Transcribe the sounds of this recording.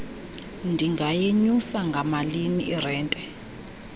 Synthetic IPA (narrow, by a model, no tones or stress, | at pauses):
ndʱiŋɡʱajeɲusaŋɡʱamaliniʔːrɛːntʼɛ